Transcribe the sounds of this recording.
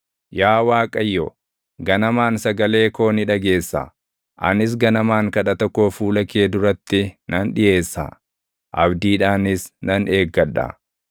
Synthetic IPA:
jaːwaːkʼɐjːo | ɡɐnɐmaːnsɐɡɐle̞ːko̞ːnɪᶑɐɡe̞ːsːɐ̰ | ʔɐ̰nɪs̬ɡɐnɐmaːŋkɐᶑɐt̪ɐkːoːfuːlɐke̞ːd̪ʊɾɐt̪ːɪnɐnᶑɪje̞ːsːa̰ | ʔɐ̰bd̪iːᶑaːnɪsnɐnʔe̞ːɡːɐᶑɐ̰

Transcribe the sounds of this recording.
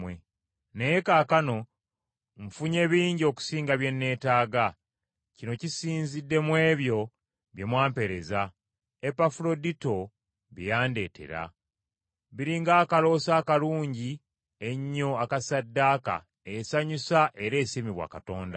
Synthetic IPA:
we | nejekaːkano̞ | ɱfuɲe̞ːβiːɲɟio̞ku̥siːŋɡaβje̞nːe̞ːtaːɡa | cino̞cisiːnzidːe̞mwe̞ːβjo̞ | βje̞mwaːmpe̞ɾe̞za | epafulo̞dito̞ | βijaːnde̞ːtʰe̞̰ɾa̰ | βiɾiŋɡaːkalo̞ːsaːkaluːɲɟi | e̞ɲːo̞akasadːaːka̰ | esaɲusaʔe̞ɾe̞ːsimiβwa̰ːkato̞ːnda̰

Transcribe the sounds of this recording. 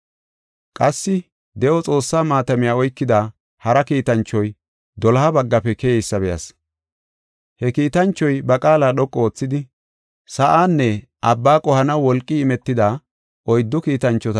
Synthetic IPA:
kʼɐsːɪ | d̪ɛʔɔt͡sʼo̞ːsːaːmaːt̪ɐmɪjaːɔjkːɪd̪a | hɐɾɐkiːt̪ɐnt͡ʃːɔj | d̪ɔlɐɐbɐɡːɐpɛkɛjɛjsːɐbɛjɐ̰s | hɛkiːt̪ɐnt͡ʃːɔjbɐkʼaːlaːɗɔkʼːɔoːt͡sːɪd̪ɪ | sɐʔaːnːɛ | ʔɐbːaːkʼɔhɐnɐwːɔlkʼːiɪmɛt̪ːɪd̪aː | ʔɔjd̪ːɔkiːt̪ɐnt͡ʃːɔt̪

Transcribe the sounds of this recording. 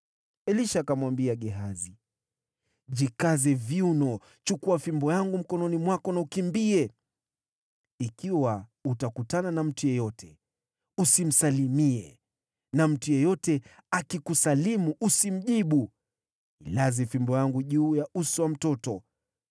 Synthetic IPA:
ɛliʃakamwambiaɠɛɦazi | ʄikazɛviunɔ | t͡ʃukuafimbɔjaŋɡum̩kɔnɔnimwakɔnaukimbiɛ | ikiwautakutananam̩tujɛjɔtʰɛ | usim̩salimiɛ̰ | nam̩tujɛjɔtɛakikusalimuʔusim̩ʄiɓu | ḭlazifimbɔjaŋɡuʄuːjausuwam̩tɔtɔ

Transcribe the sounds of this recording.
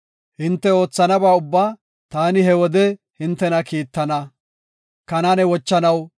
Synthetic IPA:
hɪnt̪ːɛo̞ːt͡sːɐnɐbaːʊbːaː | t̪aːnɪɦɛwɔd̪ɛ | hɪnt̪ːɛnɐkiːt̪ːɐnɐ | kɐnanɛwɔt͡ʃːɐnɐw

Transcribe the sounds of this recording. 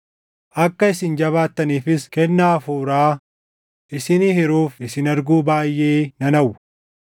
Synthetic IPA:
ʔɐkːɐɪsɪnd͡ʒɐβaːt̪ːɐniːfɪskɛnːaːfuːɾaː | ʔɪsɪnihɪɾuːfɪsɪnɐɾɡuːbaːjːeːnɐnɐw

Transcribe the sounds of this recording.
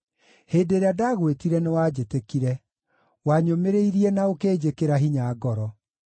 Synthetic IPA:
heːdeːɾeadaːɣwetiɾɛnewaːd͡ʑetekiɾɛ | waɲomeɾeiɾiɛnaokeːd͡ʑekeɾaɦiɲaɡɔɾɔ

